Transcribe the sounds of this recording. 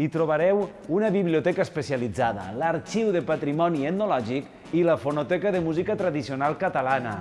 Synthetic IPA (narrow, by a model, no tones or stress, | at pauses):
it̪ɾoβaɾɛw | unəβiβliot̪ɛkaəspesjalid͡zaðə̰ləɾt͡ʃiwðepat̪ɾimɔniet̪nolɔʒik | iləfonot̪ɛkaðəmuzikat̪ɾaðisionalˠkət̪alanə̰